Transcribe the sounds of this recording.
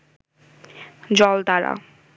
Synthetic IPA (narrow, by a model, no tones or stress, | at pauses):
d͡ʑɔlt̪aɾa̰